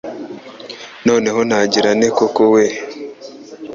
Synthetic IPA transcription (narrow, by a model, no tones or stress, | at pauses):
no̞ːne̞ɦonaɟiɾanekokowe